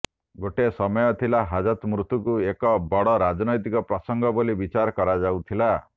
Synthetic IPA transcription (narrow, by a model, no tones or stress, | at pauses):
ɡoʈesɔmɔjɔt̪ʰilaɦad͡ʒɔt̪mɾut̪ukuekɔbɔɽɔɾad͡ʒɔnɔjt̪ikɔpɾɔsɔŋɡɔbolibit͡ʃaɾɔkɔɾad͡ʒawt̪ʰila